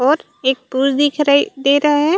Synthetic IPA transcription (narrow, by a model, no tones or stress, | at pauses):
ɔːɾ | eːk̚puːɾd̪ikʰɾaid̪eːɾɐɦɦɛ̃